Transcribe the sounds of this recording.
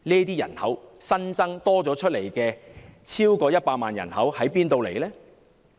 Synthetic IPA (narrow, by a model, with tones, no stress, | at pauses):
niː˥t̪iː˥jɐ̰˨˩nhɐ˨˥wsɐ˥nt͡sɐ˥ŋt̪ɔː˥t͡sɔː˨˥t͡ʃʰɵ˥t̚le˨˩jkɛː˧t͡sʰiː˥wkɔː˧jɐ˥t̚paː˧t̚maː˨njɐ̰˨˩nhɐ˨˥whɐ˨˥jpiː˥nt̪o˧wle˨˩jlɛː˥